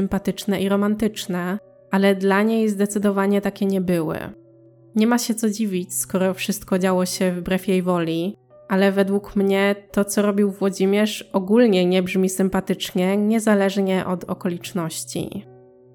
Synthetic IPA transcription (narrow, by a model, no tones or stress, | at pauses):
sɘmpat̪ɘt͡ʂnɛʔiɾɔmant̪ɘt͡ʂnɛ | alɛd̪laɲejzd̪ɛt̪sɘd̪ɔvaɲɛt̪akʲɛɲɛbɘwɘ̰ | ɲɛmaɕɛt̪sɔd͡ʑivʲit͡ɕskɔɾɔfʂɘst̪̚kɔd͡ʑawɔɕɛvbɾɛfjejvɔlʲi | ʔalɛvɛd̪wukmɲɛt̪ɔt̪sɔɾɔbʲiwvwɔd͡ʑimʲjɛʂɔɡulɲɛɲɛbʐmʲisɘmpat̪ɘt͡ʂɲɛɲɛzalɛʐɲɛʔɔd̪ɔ̰kɔlʲit͡ʂnɔɕt͡ɕḭ